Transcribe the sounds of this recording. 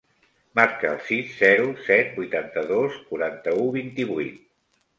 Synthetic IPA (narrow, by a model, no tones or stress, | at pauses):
maɾkəə̰lˠsisːɛɾusɛt̪̚bujt̪ant̪əðoskuɾant̪əuβint̪iβujt̪̚